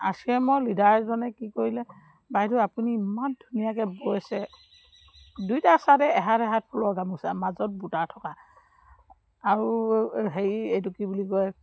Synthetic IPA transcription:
a̰siɛmɔjlidʱaɹzɔnɛkikoɹilɛ | bajtʊapuniːmandʱunijakɛbojasɛ | dujtasatɛɛɦaɾɛɦat̚pʰulɔɡamusamazɔt̚butaɹtʰɔka | ɹuɦeɹiejtukibulikɔj

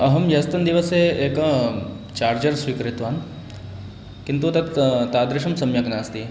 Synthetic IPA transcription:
ɐɦɐmjɐst̪ɐnd̪iʋɐseeːk | t͡ʃaːɾd͡ʒɐɾsʋiːkɾɪt̪ʋaːn | kint̪ut̪ɐt̪t̪aːd̪ɾɪʃɐmsɐmjɐknaːst̪i

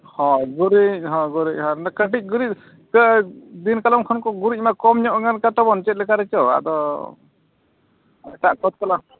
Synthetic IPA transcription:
hɔ̃ɡuɾic̚ɦɔ̃ɡuɾic̚ɦɔ̃nakə̃ʈic̚ɡuɾic̚ | kəd̪inkalɔmkʰɔnkɔɡuɾic̚ˀmakɔmɲɔʔɡankat̪ɔbɔnt͡ʃɛt̪̚lɛkaɾɛt͡ʃɔa̰d̪ɔ | ɛʈaʔkɔt̪̚kɔla

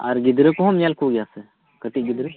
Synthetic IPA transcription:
ɐ̰ɾɡɪd̪ɾekoɦɐmɲalkʰoɡjase | kəʈiɡɪd̪ɾe

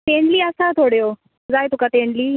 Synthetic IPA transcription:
t̪eɳliəsat̪ʰoɽjo | d͡zaːjt̪ukat̪ẽɳliː

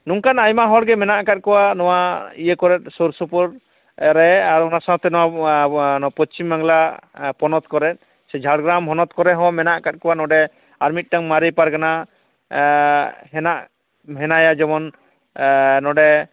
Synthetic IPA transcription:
nuŋkanajmaɦɔɽɡɛmɛnaʔkat̪̚kɔwanɔwaijəkɔɾɛt̪̚ˀsuɾsupɔɾ | ɾɛaɾɔnasãɦɔ̃t̪ɛnɔwa | nɔapɔt͡ʃimːaŋlapɔnɔt̪kɔɾɛt̪̚ˀ | sɛd͡ʒʱaɽɡɾamɦɔnɔt̪kɔɾɛɦɔ̃mɛnaʔkat̪̚kɔwanɔɖɛ | aɾmit̪̚ʈaŋmaɾijpaɾkana | ɦɛnaʔ | ɦɛnajad͡ʒɔmɔn | nɔɖɛ

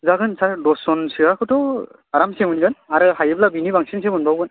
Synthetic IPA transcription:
zaɡɯnsadɔsɔnsiakʰɯtɔ | aɾamsemɯnɡɯnaɾɯhajɯplabinibaŋsinsemɯnbabɡɯn

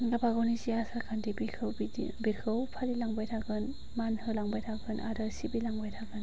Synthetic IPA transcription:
nɡapʰaɡɔwniziasaɾkʰandibiɯbikʰɯwpʰaɾilaŋbajtʰaɡɯn | manhɯlaŋbajtʰaɡɯnʔa̰dɯsibilaŋbajtʰaɡɯn

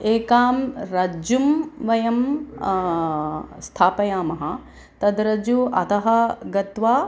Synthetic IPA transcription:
eːkaːmɾɐd͡ʒumʋɐjɐm | st̪ʰaːpɐjaːmɐɦɐ | t̪ɐd̪ɾɐd͡ʒuɐ̰t̪ɐɦɐɡɐt̪ʋaː

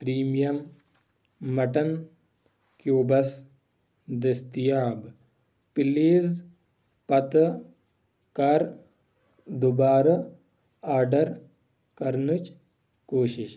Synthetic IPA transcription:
pɾiːmijɐmː | ɐʈɐn | kjoːbɐs | d̪est̪ijaːb | piliːz | pɐt̪ | kɐɾ | d̪ubaːɾɐ | aːɾɖɐɾ | kɐɾnut͡ʃ | koːʃiʃ

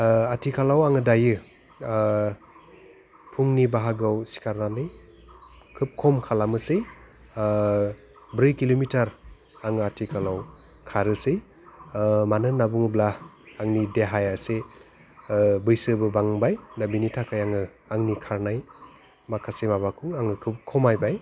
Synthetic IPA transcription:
atʰikʰalawaŋɯdajɯ | pʰuŋnibaɦaɡawsi̥kʰaɾnanɯj | kʰɯp̚kʰɔmkʰalamɯsɯj | bɾɯjkilomitʰaɾ | aŋɯatʰikʰalaw | kʰaɾɯsɯj | manɯnːabuŋɯblaː | ŋnideɦajase | bɯjsɯbɯbaŋbajnabinitʰakʰajaŋɯ | aŋnikʰaɾnaj | makʰasemabakʰɯwaŋɯkʰɯp̚kʰɔmajbaj

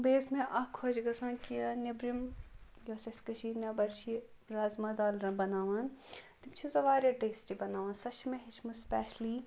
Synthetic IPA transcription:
beːsmẽʔɐkʰːod͡ʒɡɐsãːnkijanebɾim | jɐsɐt̪kɐʃiːnɐbɐɾʃi | ɾaːzmɐd̪aːlɾɐbɐnaːʋant̪imt͡ʃʰizɐʋaːɾʲjɐʈeːsʈibɐnaːʋãːnsɐt͡ʃʰmẽɦit͡ʃʰmɐspɛːʃliː

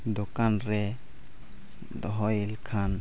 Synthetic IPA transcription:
d̪okanɾɛ | d̪ɔɦɔjlkʰan

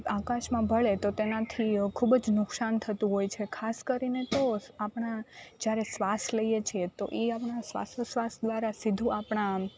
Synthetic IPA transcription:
akaʃmãbʱəɭet̪ot̪enat̪ʰikʰubəd͡ʒnʊksant̪ʰət̪ũɦojt͡ʃʰekʰaskəɾinet̪oapɳ̃ad͡ʒjaɾesʋasləjet͡ʃʰiet̪oʔeapɳasʋa̰səsʋasd̪ʋaɾasid̪ʱũapɳ̃a

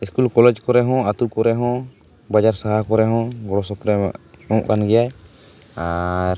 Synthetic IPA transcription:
iskulkɔlɛd͡ʒkɔɾɛɦɔ̃at̪ukɔɾɛɦɔ̃ | bad͡ʒaɾsaɦakɔɾɛɦɔ̃ɡɔɽɔsɔpɾɛɔ̃ʔkanɡɛjaj | aɾ

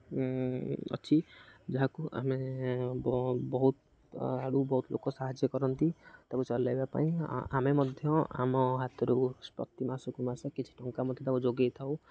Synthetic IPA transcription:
ɔ̰t͡ʃʰid͡ʒɔɦakuʔa̰mebbɔɦut̪ | aɽubɔɦut̪lʔo̰kɔsaɦad͡ʒjɔkɔɾɔnt̪it̪abut͡ʃɔlajbapa̰ĩa̰memɔd̪ʱjɔa̰mɔɦat̪ʰɔɾuspɔ̰kt̪imasukumasɔkit͡ʃʰi̥ʈɔŋkamɔd̪ʱjɔt̪abũd͡ʒoɡejt̪ʰaw

